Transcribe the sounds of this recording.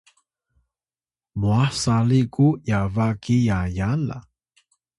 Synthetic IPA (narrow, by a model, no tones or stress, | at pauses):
muasalikujavakijajala̰